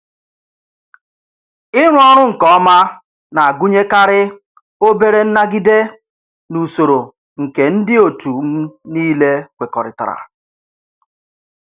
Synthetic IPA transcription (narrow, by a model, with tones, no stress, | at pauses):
ɪ˦ŋʷ˦ɔ˦ɾ̃ʊ˦ŋ̩˨kɔ˦ɔ˦ma˦ | na˨a˨ɡu˦ɲe˦ka˦ɾɪ˦ | o˦be˦ɾe˦n̩˦na˦ɡi˦de˦ | nu˨so˨ɾo˨ | ŋ̩˨ke˨n̩˦dɪ˦o˨tu˨m̩˦niː˦le˦kʷe˨kɔ˨ɾɪ̰˨ta̰˨ɾa̰˨